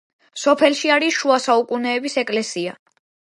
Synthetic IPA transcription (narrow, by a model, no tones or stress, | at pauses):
sɔpʰɛlˠʃiaɾiʃuasaukʼunɛːbisɛkʼlɛsia